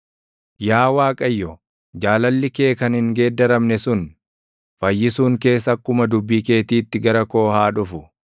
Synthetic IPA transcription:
jaːwaːkʼɐjːɔ | d͡ʒaːlɐlːɪke̞ːkɐnhɪŋɡe̞ːd̪ːɐɾɐmnɛsʊn | fɐjːɪsuːŋke̞ːs̬ɐkːʊmɐd̪ʊbːiːke̞ːt̪iːt̪ːɪɡɐɾɐko̞ːhaːᶑʊfʊ

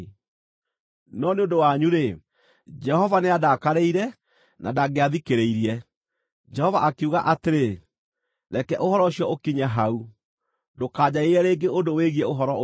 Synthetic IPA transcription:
nɔneondowaɲuɾe | d͡ʒɛhɔvaneadakaɾeiɾɛ | na̰daɣeaðikeɾeiɾiɛ | d͡ʒɛhɔvaʔakeuɣaʔateɾe | ɾɛkɛʔohɔɾɔoɕjɔokiɲaɦau | dokaːd͡ʑaeɛɾeːŋɡeondoweɣiɛoɦɔɾɔ

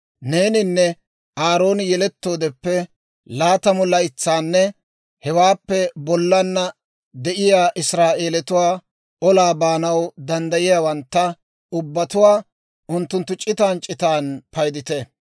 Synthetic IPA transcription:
ne̞ːnɪnːɛ | ʔaːɾo̞ːnɪjɛlɛt̪ːo̞ːd̪ɛpːɛ | laːt̪ɐmɔlːɐɪt͡sːaːnːɛ | hɛwaːpːɛbɔlːɐnːɐ | d̪ɛʔɪjaːʔɪsɾaːʔe̞ːlɛt̪ʊwaː | ɔlaːbaːnɐwd̪ɐnd̪ɐjɪjaːwɐnt̪ːɐ | ʊbːɐt̪ʊwaː | ʔʊnt̪ːʊnt̪ːʊt͡ʃʼɪt̪aːnt͡ʃʼɪt̪aːnpɐjd̪ɪt̪ɛ

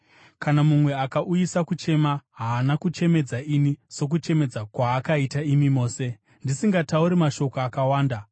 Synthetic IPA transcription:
kanamumwe̞akaʔujisakut͡ʃe̞maɦaːnakut͡ʃe̞me̞d͡zainiso̞k̬ut͡ʃe̞me̞d͡zakwaːkaitaimimo̞ːse̞ | ndisiŋɡatauɾimaʃo̞koakawaːnda

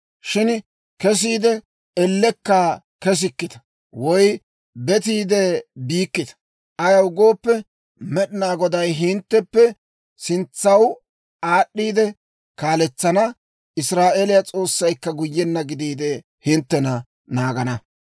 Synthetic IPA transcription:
ʃɪn | kɛs̬iːd̪ɛ | ɛlːɛkːaː | kɛs̬ɪkːɪt̪ɐ̥ | wɔj | bɛt̪̬iːd̪ɛbiːkːɪt̪ɐ̥ | ʔɐjɐwʊɡo̞ːpːɛ | mɛɗɪnaːɡɔd̪ɐjɦɪnt̪ːɛpːɛ | sɪnt͡sːɐw | aːɗːiːd̪ɛ | kaːlɛt͡sːɐnɐ | ʔɪsɾaːʔelɪjɐt͡sʼo̞ːsːɐjkːɐɡʊjːɛnːɐɡɪd̪iːd̪ɛ | hɪnt̪ːɛnɐ | naːɡɐnɐ

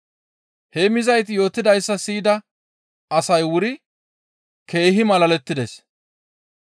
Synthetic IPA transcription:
hemɪzɐjt̪̬ɪjo̞ːt̪ːɪd̪ɐjsːɐsiːd̪ɐ | ɐsɐjwʊɾɪ | ke̞ːɦɪmɐlɐlɛt̪ːɪd̪ɛs

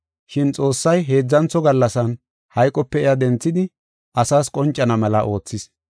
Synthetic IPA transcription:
ʃɪnt͡sʼo̞ːsːɐjɦe̞ːd͡zːɐnt͡sɔɡɐlːɐsɐn | hɐjkʼːɔpːɛɛjad̪ɛnt͡sːɪd̪ɪ | ʔɐsaːskʼɔnt͡ʃʼːɐnɐmɛlɐʔo̞ːt͡sːɪs

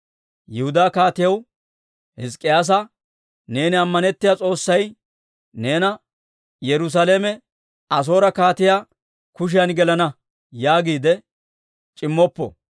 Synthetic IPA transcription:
jɛhʊd̪aːkaːt̪ɪjɐw | hɪs̬kʼːɪjaːs̬ɐ | ne̞ːnɪɐmːɐnɛt̪ːɪjat͡sʼo̞ːsːɐj | ne̞ːnɐ | jɛɾʊs̬aleːmɛ | ɐs̬o̞ːɾɐkaːt̪ɪjaː | kʊʃ̬ɪjɐnɡɛlɐnɐ | jaːɡiːd̪ɛ | t͡ʃʼɪmːɔpːɔ̰

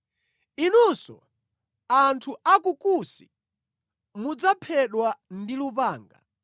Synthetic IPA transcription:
inusɔ̰ | antʰuʔakukusi | mud͡zapʰɛɗwandilupaːŋɡa̰

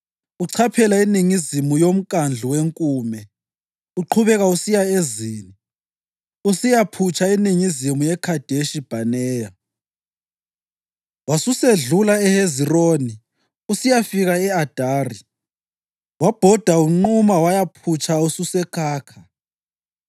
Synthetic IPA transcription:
uǀʰapʰɛlainiŋizimujom̩kʼand͡ɮʱuweŋkʼuːmɛ | uǃʰuβɛɣausijaeziːni | usijapʰut͡ʃʰainiŋizimujɛkʰad̥ʱeʃib̥ʱanɛːja | wasuseɮulaɛheziroːni | usijafiɣaɛad̥ʱaːri | wab̥ʱɔd̥ʱauŋ͡ǃumawajapʰut͡ʃʰʼaususɛkʰaːkʰa

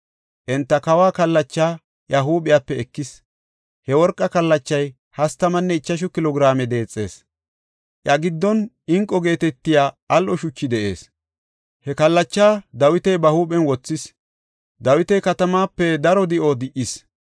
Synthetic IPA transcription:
ʔɛnt̪ːɐkɐwaːkɐlːɐt͡ʃːaː | jɐɦuːɓɪjapːɛɛkːɪs | hɛwɔɾkʼːɐkɐlːɐt͡ʃːɐj | hɐst̪ːɐmɐnːɛɪt͡ʃːɐʃ̬ʊkɪlɔɡɪɾaːmɛd̪e̞ːt͡sʼːe̞ːs | ʔjɐɡɪd̪ːɔn | ɪŋkʼːɔɡe̞ːt̪ɛt̪ːɪjaː | ɐlʔɔʃʊt͡ʃːɪd̪ɛʔe̞̰ːs | hɛkɐlːɐt͡ʃːaːd̪ɐwɪt̪ɛjbɐhuːɓɛnwɔt͡sːɪs | d̪ɐwɪt̪ɛjkɐt̪ɐmaːpːɛd̪ɐɾɔd̪ɪʔod̪ɪʔɪs

